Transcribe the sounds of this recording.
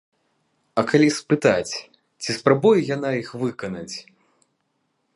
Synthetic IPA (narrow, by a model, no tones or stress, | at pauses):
ɐkalʲispɨt̪at͡sʲ | t͡sʲispɾabujɛjan̪aixvɨkɐnɐt͡sʲ